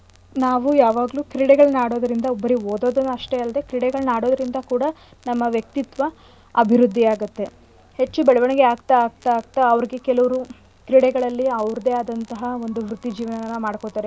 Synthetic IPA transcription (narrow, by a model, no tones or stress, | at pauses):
naːʋujaːʋaːɡluːkɾiɽɛɡɐɭnaːɽo̞ːd̪ɐɾind̪ɐobːɐɾioːd̪oːd̪ɐnːɐʂʈeɐld̪e̞kɾiɽɛɡɐɭnaːɽo̞ːd̪ɐɾind̪ɐkuːɽɐ | nɐmːɐʋjɐk̚t̪it̪ʋɐ | ɐbʱiɾud̪ʱːiaːɡɐt̪ːe̞ | he̞t͡ʃːubɛɭɐʋɐɳɛɡeaːɡt̪aaːɡ̚t̪aːɡ̚t̪aːʋɐɾiɡe̞kɛlɐʋɐɾu | kɾiɽɛɡɐɭɐlːiɐʋɾd̪e̞aːd̪ɐnt̪ɐɦɐo̞nd̪uʋɾut̪ːid͡ʒiːʋɐnɐʋɐnːɐmaːɽkot̪aːɾe